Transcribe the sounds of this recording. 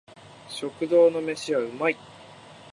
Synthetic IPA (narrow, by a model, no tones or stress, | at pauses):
ɕo̞kɯ̟d̪o̞ːno̞me̞ɕiβaɯ̟mai